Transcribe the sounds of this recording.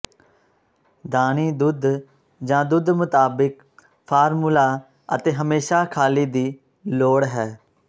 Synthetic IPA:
d̪aːniːd̪ʊd̪ | d͡ʒãːd̪ʊd̪mʊt̪aːbɪk | pʰaːɾmulaː | ə̰t̪eːɦəmeːʃaːkʰaːliːd̪iː | loːɽɦɛː

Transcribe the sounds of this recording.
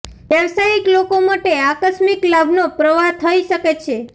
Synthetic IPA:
ʋjəʋsaiklokomaʈeakəsmiklabʱnopɾəʋat̪ʰəiʃəket͡ʃʰe

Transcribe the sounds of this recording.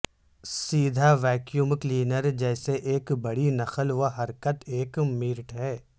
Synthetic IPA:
siːd̪ʱaʋɛːkjuːmkliːnəɾd͡ʒɛːseʔeːkbɐɽinɐxəlʋoɦɐɾkət̪eːkmiːɾʈɦɛː

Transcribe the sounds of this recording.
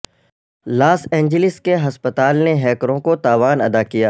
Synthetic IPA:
laːsɛ̃ːɲd͡ʒəlɪskeɦɐspət̪aːlneɦɛːkɾõkot̪aːʋaːnɐd̪akijaː

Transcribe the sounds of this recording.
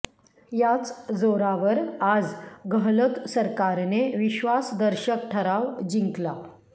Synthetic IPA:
jat͡sd͡zoɾaʋəɾad͡zɡəɦlət̪səɾkaɾneʋiɕʋasd̪əɾɕək̚ʈʰəɾaʋd͡ʑiŋkla

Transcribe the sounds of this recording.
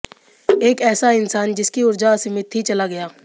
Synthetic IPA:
eːkɛːsaɪnsaːnd͡ʒɪskiʊɾd͡ʒasɪmɪt̪ɦit͡ʃɐlaɡɐjaː

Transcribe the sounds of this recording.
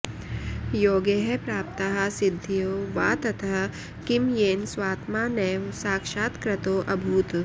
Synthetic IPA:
joːɡeɦɛpɾaːp̚t̪ɐɦɐsɪd̪ʱːijoːʋaːt̪ɐt̪ʰɐ | kimjeːnswaːt̪maːnɛʋsaːkʃaːt̪kɾɐt̪oːʔɐbʱuːt̪

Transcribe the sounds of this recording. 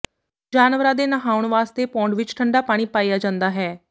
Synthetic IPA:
d͡ʒaːnʋəɾãd̪enəɦaːʊɳ̃ʋaːst̪epɔ̃ːɳɖʋɪt͡ʃʈʰəɳɖapaːɽ̃ipaːijad͡ʒãːnd̪aːɦɛː

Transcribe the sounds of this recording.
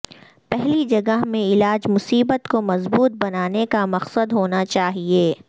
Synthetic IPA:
pɛɦlid͡ʒɐɡəɦmẽɪlaːd͡ʒmʊsiːbət̪komɐzbuːt̪̚bɐnaːnekamɐqsəd̪ɦoːnat͡ʃaːɦieː

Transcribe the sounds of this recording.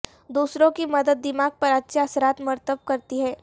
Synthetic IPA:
d̪uːsɾõkimɐd̪əd̪ːɪmaːɡ̚pɐɾɐtːʃʰaɐsəɾaːt̪mɐɾt̪əbkɐɾt̪iɦɛː

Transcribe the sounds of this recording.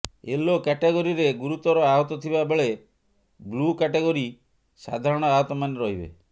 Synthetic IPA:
elokɛʈeɡoɾiɾeɡuɾut̪ɔɾɔaɦɔt̪ɔt̪ʰibabeɭe | blukɛʈeɡɔɾi | sa̰d̪ʱaɾɔɽ̃ɔaɦɔt̪ɔmaneɾɔɦibḛ

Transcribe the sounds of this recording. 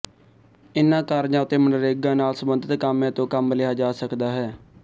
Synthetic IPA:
ɪnːãːkaːɾd͡ʒãːʊt̪eːməɳɖəɾeːɡãːnaːlsəmbənd̪ət̪kamãːt̪õːkəməlɪaːd͡ʒaːsəkd̪aːɦɛː

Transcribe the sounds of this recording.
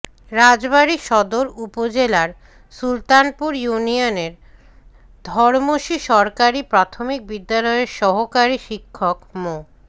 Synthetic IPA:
ɾad͡ʑbaɾiʃɔd̪oɾupod͡ʑelaɾ | sult̪anpuɾjunioneɾ | d̪ʱɔɾmoʃiʃɔɾkaɾipɾat̪ʰomik̚bid̪ːalɔeʃɔɦokaɾiʃikʰːokmo

